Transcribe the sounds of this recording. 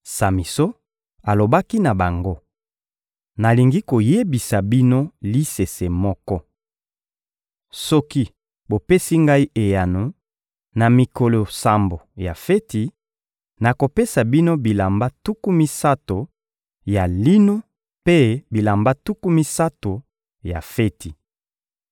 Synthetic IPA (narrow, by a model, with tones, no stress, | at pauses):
sa˨mi˨so˦ | a˨lo˨ba˦ki˦na˨ba˨ŋɡo˦ | na˨li˨ŋɡi˦ko˨je˦bi˨sa˨bi˦no˦li˦se˨se˨mɔ˦kɔ˦ | sɔ˦ki˦ | bo˨pe˦si˦ŋɡa˦i˦ʔe˨ja˨nu˨ | na˨mi˨ko˨lo˨sa˨mbo˨ja˨fe˦ti˨ | na˨ko˨pe˦sa˨bi˦no˦bi˨la˨mba˦tu˦ku˦mi˦sa˦to˨ | ja˨li˦no˦ | pe˦bi˨la˨mba˦tu˦ku˦mi˦sa˦to˨ | ja̰˨fe˦ti˨